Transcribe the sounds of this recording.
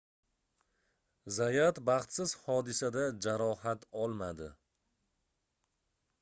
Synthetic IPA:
zajat̪bɑχt̪sɪz̥hɒd̪ɪsad̪ad͡ʒaɾɒhat̪ʰɒlˠmad̪ɪ

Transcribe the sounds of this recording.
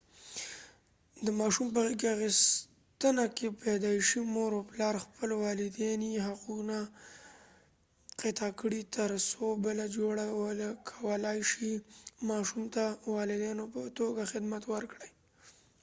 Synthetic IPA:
d̪əmɑʃumpəaɣekeaɣis | t̪ənakepad̪ɑjʃimoɾoplɑɾxpəlwɑlɪd̪ɑniɦaquna | qɪt̪ɑkəɽit̪əɾsobəlad͡ʒoɽawəlakʰawəlɑjʃimɑʃumt̪awɑlɪd̪ɑnopət̪oɡaxɪd̪mat̪wəɾkɽaj

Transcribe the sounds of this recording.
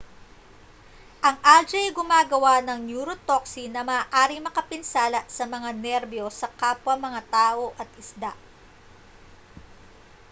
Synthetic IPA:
ʔɐŋʔald͡ʒɛɡʊmaːɡɐwanɐŋnjuɾot̪oksinɐmaːʔaːɾɪŋmɐkɐpɪnsaːlɐsɐmɐŋanɛɾbjo̞sɐkaːpwɐŋmɐŋat̪aːʔo̞ʔɐt̪̚ʔɪsd̪aʔ

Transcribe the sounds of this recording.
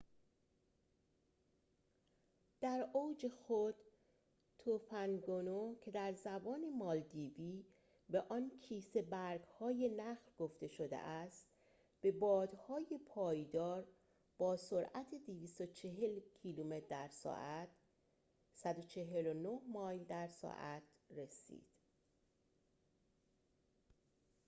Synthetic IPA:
d̪̥æɾoːwd͡ʒe̞xod̪̥ | t̪ʰofænɡonocʰe̞d̪æɾzæbɒːne̞mɒːld̪iːviː | be̞ʔɒncʰiːse̞bæɾɡhɒːje̞næxlɡ̥oft̪e̞ʃo̞d̪ḛʔæst̪ | b̥e̞bɒːd̪hɒːje̞pʰɒːjd̪ɒːɾ | b̥ɒːso̞ɾʔæt̪ʰed̪iviːst̪o̞t͡ʃʰe̞ɦelcʰiluːmet̪d̪æɾsɒ̰ːʔæt̪ | sæd̪ot͡ʃʰe̞ɦe̞lonohmɒːjld̪æɾsɒ̰ːʔæt̪re̞sḭːd̪̥

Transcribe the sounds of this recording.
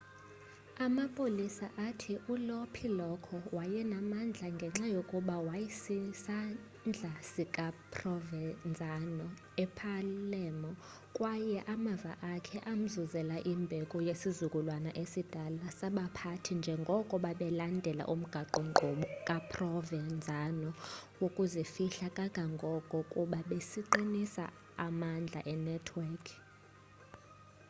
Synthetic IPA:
amapʼolisaʔatʰiʔulopʰilɔkʰɔwajɛnamand͡ɮʱaŋɡʱɛŋ͡ǁajokʼuɓawajisisa | nd͡ɮʱasikʼapʰʼrɔvɛnd͡zʱanɔ | ɛpʰalɛmɔ | kʼwajɛʔamava̰ʔakʰɛʔam̩zuzɛlaʔimbʱɛkʼɔjesizukʼulwanaʔesid̥ʱalasaɓapʰatʰind͡ʒʱɛŋɡʱɔkʼɔɓaɓɛlandʱɛla̰ʔum̩ɡ̥ʱaǃɔŋŋ͡ǃʱuɓɔkʼapʰrɔvɛnd͡zʱanɔwokʼuzifiɬakʼaɡ̥ʱaŋɡʱɔkʼɔkʼuɓaɓesiǃinisa̰ | amand͡ɮʱa̰ʔɛnɛtʰwɛkʰ

